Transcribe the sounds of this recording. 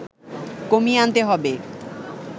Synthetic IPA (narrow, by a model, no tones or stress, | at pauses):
komiant̪eɦɔbe